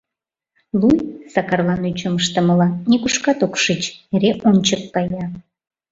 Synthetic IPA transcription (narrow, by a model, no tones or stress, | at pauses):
lˠujsɑkɑrlɑnyt͡ɕəməʃt̪ə̆məlɑnʲekuʃkɑt̪okʃit͡ɕeɾeʔonʲt͡ɕəkːɑjɑ